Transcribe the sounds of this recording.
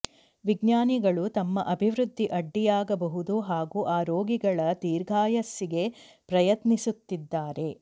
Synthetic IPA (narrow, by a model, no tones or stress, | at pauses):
ʋiɡɲaːniɡɐɭut̪ɐmːɐʔɐbʱiʋɾud̪ʱːiʔɐɖːijaːɡɐbɐɦud̪uɦaːɡuːʔaːɾo̞ːɡiɡɐɭɐt̪iːɾɡʱaːjɐsːiɡe̞ | pɾɐjɐt̪nisut̪ːid̪ːaːɾe̞